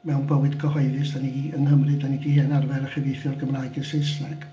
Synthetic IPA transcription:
mɛwnbəwɨd̥kʰɔhɔɨðɨsaniɡiənɦəmrɨdaniɡihenarvɛɾəχɛvejθjɔrɡəmraɨɡəsɪsnɛɡ̥

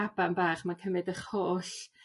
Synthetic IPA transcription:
abanbaːχmakʰəmɨdəχhoːɬ

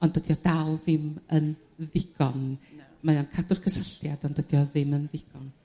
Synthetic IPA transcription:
ɔndəd̥jɔdalˠðɪmən | ðɪɡ̥ɔnmajamkʰadʊrkʰəsəɬjad̥ɔndəd̥ijɔðɪmənðɪɡ̥ɔn

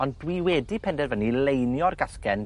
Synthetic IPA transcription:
ɔndwiwɛdipʰɛndɛrvənilejnjɔrɡaskɛn

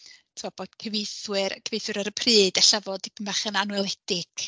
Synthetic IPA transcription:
tʰːɔb̥oːd̥kʰəvejθwɨɾkʰəvejθwɨɾaɾəpʰrɨːdɛɬavɔdib̥ʰəmaχənanwɛlˠɛd̥ɪɡ̥

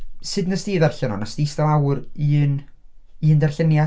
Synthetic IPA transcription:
sɨdnəstiːðɛrɬənɔnastistalˠawriːniːndɛrɬənja

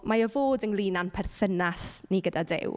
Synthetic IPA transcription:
maɔvoːdənlˠiːnanpʰɛrθənasniɡədadɪ̰w

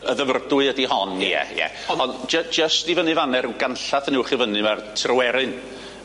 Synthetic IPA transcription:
əðəvrdʊɨədiɦɔnjɛ̰jɛ̰ | ɔnd͡ʒəd͡ʒəstivənɨvanɛɾuɡanɬaθnɪwχivənɨmartʰrɔwɛɾɨn

